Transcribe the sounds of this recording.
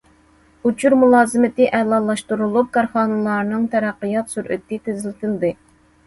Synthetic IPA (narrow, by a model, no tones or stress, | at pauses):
ut͡ʃʰuɾmulˠɑːzɨmɪt̪ɪʔɛlˠɑːlˠɑʃt̪uɾulˠup̚kɑɾχɑːnɨlˠɑɾnɨŋt̪ʰɛɾæqːijɑt̪syɾʔɪ̰t̪ːɪt̪ʰɪzɪlɪt̪ɪld̪ɪ